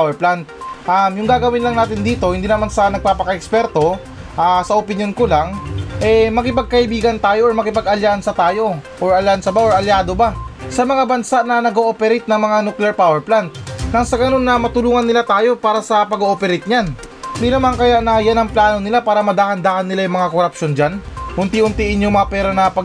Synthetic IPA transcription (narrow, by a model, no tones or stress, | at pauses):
wɛɹplant̪̚ʔamjʊŋɡaːɡɐwɪnlɐŋnaːt̪ɪnd̪iːt̪o̞hɪnd̪iːnɐmansɐnɐɡ̚paːpɐkɐʔɛkspɛɾt̪o̞ | ʔasɐʔopɪnjo̞nkolaŋʔɛmɐkɪpɐɡ̚kɐʔɪbiːɡɐnt̪aːjo̞ʔoɹmɐkɪpɐɡɐljansɐt̪aːjo̞ʔoɹʔɐlansɐbaʔoɹʔɐljaːd̪o̞basɐmɐŋabɐnsaʔnɐnɐɡoʔoːpɛɾɛjt̪̚nɐŋmɐŋanuklɛɹpaːwɛɹplant̪̚ːɐŋsɐɡɐno̞nːɐmɐt̪ʊluːŋɐnːɪlat̪aːjo̞paːɾɐsɐpɐɡoʔoːpɛɾɪjt̪̚ɲan | d̪inɐmankɐjaʔnɐjanɐŋplaːno̞nɪlapaːɾɐmɐd̪aːhɐnd̪aːhɐnːɪlajʊmɐŋakoɾɐpʃo̞nd͡ʒanhʊnt̪ihʊnt̪iʔɪɲjomɐapɛːɾɐnɐpɐ